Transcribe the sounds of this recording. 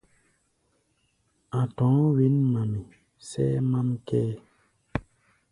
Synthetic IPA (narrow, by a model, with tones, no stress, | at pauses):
ã˨tɔ̃˨˦wi˦nmã˨mi˨ | sɛ˦ma˦mkɛː˦